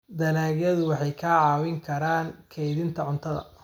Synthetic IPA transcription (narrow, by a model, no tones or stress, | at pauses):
d̪ɐlaːɣjɐðʊwɑħɑjkʰaːʕɑːwɪŋkʰɐɾaːŋkʰɛjðɪnt̪ʰɐʕʊnt̪ʰɐðɐ̰